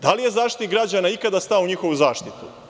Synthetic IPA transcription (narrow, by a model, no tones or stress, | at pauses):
d̪alije̞zaːʃt̪it̪iɡɾad͡ʑanaikad̪ast̪aouɲixo̞ʋuzaːʃt̪it̪u